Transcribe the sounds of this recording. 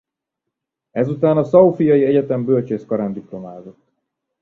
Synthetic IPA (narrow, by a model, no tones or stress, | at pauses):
ɛzut̪aːnɒsɒufijɒjiɛɟɛt̪ɛmbølt͡ʃeːskɒɾaːnd̪iplo̞maːzo̞t̪ː